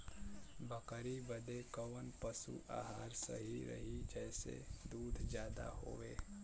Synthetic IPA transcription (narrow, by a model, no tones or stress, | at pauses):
bəkəɾibəd̪ekəʋənpəsṵʔa̰ːɦaːɾsə̰ɦiɾə̰ɦid͡ʒɛːsḛd̪uːd̪ʱd͡ʒjaːd̪a̰ho̰ːʋeː